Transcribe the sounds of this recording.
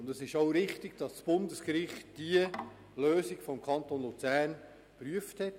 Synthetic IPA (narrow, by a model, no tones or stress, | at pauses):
ʊndəsɪʃoʊɾɪχtɪɡ̥d̥ɑssb̥ʊndəskɾɪχtd̥iə | løːsiɡfɔmkʰɑnt̪oːnlut͡sæːrn | pɾyəfthɛt